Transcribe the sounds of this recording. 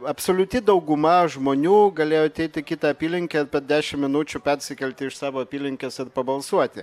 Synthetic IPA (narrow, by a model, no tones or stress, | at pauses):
ɐpsoːlʲʊt̪ʲɪd̪ɐʊɡʊmɐʒmoːnʲuːɡɐlʲeːjoɐt̪ʲɛɪt̪ʲɪkʲɪt̪ɐɐpʲiːlʲɪŋʲkʲeːɪɾpʲɛɾd̪ʲæːʃʲɪmmʲɪnuːt͡ʃʲʊpʲɛɾʲsʲɪkʲɛlʲt̪ʲɪɪʃsɑːʋoːɐpʲiːlʲɪŋʲkʲesɪɾpɐbɐlˠsuɔt̪ʲɪ̰